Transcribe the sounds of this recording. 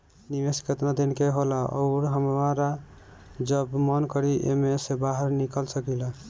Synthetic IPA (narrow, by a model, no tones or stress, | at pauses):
niʋeskət̪nad̪inkeɦolaɔ̰ʊɾɦəmɾa | d͡ʒəbmɔnkəɾiʔḛmesebaɦəɾnikəlsəkila